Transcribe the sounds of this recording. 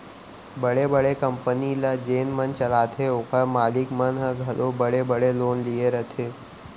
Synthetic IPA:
bəɽebəɽekəmpənilad͡ʒeːnmənt͡ʃəlaːt̪ʰeokəɾmaːlikmənɦəɡʱəlʔobəɽebəɽeloːnlieɾət̪ʰe

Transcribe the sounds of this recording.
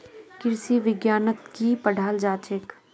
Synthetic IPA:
kɪɾsiʋɪɡjaːnət̪kipəɽʱaːld͡ʒaːt͡ʃek

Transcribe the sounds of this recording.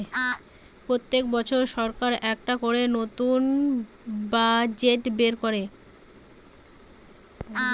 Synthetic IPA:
pɾot̪ːek̚bɔt͡ɕʰoɾʃɔɾkaɾɛkʈakoɾenot̪un | bad͡ʑeʈbeɾkoɾe

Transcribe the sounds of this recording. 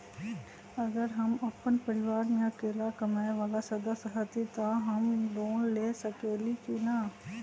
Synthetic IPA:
ɐɡəɾɦɐmɐpənpɐɾɪʋaːɾmẽɐkeːlakɐmaːeʋaːlasɐd̪əsɦət̪it̪aɦɐmd̪oːnleːsɐkeːlikina

